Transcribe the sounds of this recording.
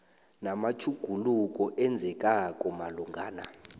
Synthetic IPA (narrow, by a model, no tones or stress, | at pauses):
namat͡ʃʰuɡ̥ʱuluk̬ʼɔʔɛnd͡zʱɛkʼakʼɔmaluŋɡʱaːna